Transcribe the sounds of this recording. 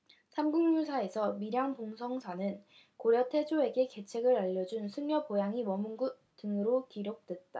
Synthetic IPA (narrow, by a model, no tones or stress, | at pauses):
sʰamɡuŋɲusʰae̞sʰʌmiɾjaŋpoŋsʰʌŋsʰanɯn | koɾjʌtʰe̞d͡ʑoe̞ɡe̞ke̞t͡ɕʰe̞ɡɯɾaʎːʌd͡ʑunsʰɯŋɲjʌpojaŋimʌmunɡut̚t͈ɯŋɯɾokiɾjok̚t͈we̞t̚t͈a